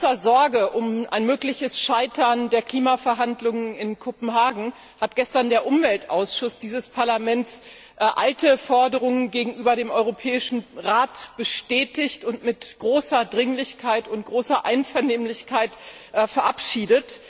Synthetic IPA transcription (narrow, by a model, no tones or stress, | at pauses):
ɐzɔɐɡəʔʊmʔa̰ɪnmøːklɪçəsʃaɪtʰɐndeːɐkl̥iːmafɛɐɦandlʊŋənɪnkʰopm̩ɦaːɡŋ̩ | hat̚ɡ̥ɛstɐndeːɐʔʊmvɛltʔaʊsʃʊsd̥iːzəspʰaɐlamɛnts | ʔaltəfɔɐdəʁ̞ʊŋənɡeːɡŋ̩ʔyːbɐdeːmʔɔʏʁopʰɛːɪʃn̩ʁaːtb̥əʃtɛːtɪçtʊntmɪtɡ̥ʁoːsɐdʁɪŋlɪçkʰaɪtʊnt̚ɡ̥ʁoːsɐʔaɪnfɛɐneːmlɪçkʰaɪt | fɛɐʔapʃiːdət